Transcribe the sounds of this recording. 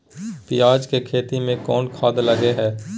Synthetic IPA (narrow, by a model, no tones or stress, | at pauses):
pɪjaːd͡ʒkekʰeːt̪imẽkɔːnkʰaːd̪lɐɡeɦɛː